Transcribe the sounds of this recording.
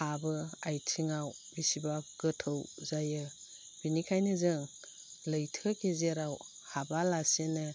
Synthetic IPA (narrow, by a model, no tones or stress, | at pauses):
abɯajtʰiŋaw | bisibaɡɯtʰɯwzajɯ | b̥inikʰajnɯzɯŋ | lɯjtʰɯkezeɾaw | habalasenɯ